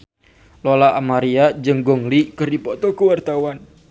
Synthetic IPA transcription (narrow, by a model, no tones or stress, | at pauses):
lɔlaʔamaɾiad͡ʒɨŋɡɔŋlikɨrdipɔt̪ɔkəwart̪awan